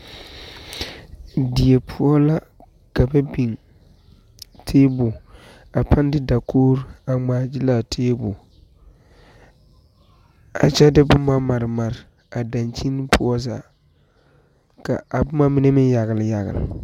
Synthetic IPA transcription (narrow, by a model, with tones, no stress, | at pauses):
di˨e˨pʰʊ˦ɔ˦la˦ | ka˨ba˦bi˨ŋ | tʰeː˦bʊ˨ | a˨pʰa˦n˦dɪ˦da˨kʰoː˦ɾa˨ŋ͡maː˨d͡ʒi˦la˨tʰeː˦bʊ˨ | a̰˨t͡ʃɛ˦dɪ˦bʊ˦ma˦ma˨ɾma˨ɾɪ˨ | a˨da˨nt͡ʃi˦n˦pʰʊ˦ɔ˦za̰˨ | ka˨a˨bʊ˦ma˦mi˦ne˦mɪ˦nja˨ɣɪ˨lɪ˨ja˨ɣɪ̰˨l̰